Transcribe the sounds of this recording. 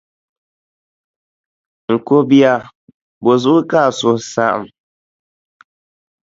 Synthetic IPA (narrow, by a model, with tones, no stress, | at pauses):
ŋ̩˨ko˦bi˦a˨ | bo˨zu˦ʔʊ˦ka˦˨sʊ˨sa˦ʔa̰˨m